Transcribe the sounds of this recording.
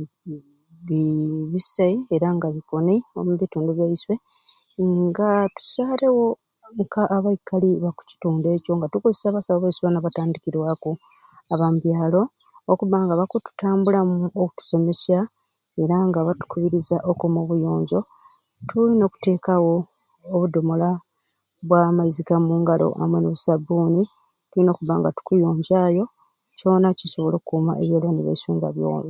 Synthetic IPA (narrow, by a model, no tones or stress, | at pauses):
βiβisaie̞ɾaŋɡaβikonio̰muβituːnduβjaiswe̞ | ŋɡatu̥saːle̞wo̞ | ŋkʰaʔːβaikaliβaku̥ci̥tuːnde̞ːco̞ŋɡatukuzisaβasaβoβaisβanaβataːndikiɾwaku | aβamuβjaːlo̞ː | kuβaŋɡaβakutu̥taːmbulamuoku̥tu̥so̞me̞sa | e̞ɾaŋɡaβatu̥kuβiɾizaʔokumoβujo̞ːɲɟo̞ | tʰulino̞ːku̥te̞ːkawoː | βudo̞mo̞la | βwamaizikamuːŋɡalo̞̰ʔa̰mwenuβusabuːni | tulino̞ːkuβaŋɡa̰tu̥kujo̞ːɲɟajo̞ | co̞ːnaciso̞βo̞lo̞ːkukuːma̰ʔeβjoːlaniβḛswiːŋɡa̰βjo̰ːli